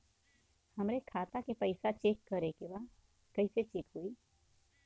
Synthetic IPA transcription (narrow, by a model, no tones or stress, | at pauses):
hɐmɾekʰaːt̪akepɐɪsat͡ʃeːkːəɾekeʋa | kɐɪset͡ʃeːkɦuiː